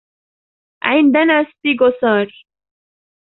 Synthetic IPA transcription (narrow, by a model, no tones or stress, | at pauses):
ʕɪnd̪anaːst̪iɡosɑːɾ